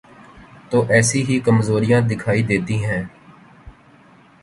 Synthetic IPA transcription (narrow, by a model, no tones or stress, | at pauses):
t̪oːʔɛːsiːɦiːkəmzoːɾɪjãːd̪ɪkʰaːid̪eːt̪iːɦɛ̃ː